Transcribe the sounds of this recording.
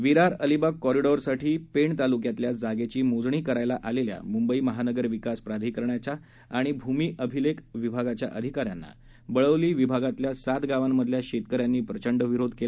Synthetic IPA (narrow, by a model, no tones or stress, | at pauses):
ʋiɾaɾəlibakːɔɾiɖɔɾsaʈʰiːpeɳt̪alukjat̪ljad͡zaɡet͡ɕiːmod͡zɳiːkəɾajlaʔalelja̰mumbəiːməɦanəɡəɾʋikaspɾad̪ʱiːkəɾɳjat͡ɕaː | ɽ̃ibʱumiːʔəbʱilekʋibʱaɡat͡ɕja̰ʔəd̪ʱikaɾjanːa̰ | bəɭəʋliːʋibʱaɡat̪ljasat̪ɡaʋamːəd̪ʱljaɕet̪kəɾjanːiːpɾət͡ɕəɳɖəʋiɾod̪ʱkela